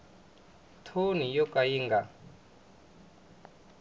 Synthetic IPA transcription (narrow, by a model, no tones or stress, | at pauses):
tʰonijɔkajiŋɡa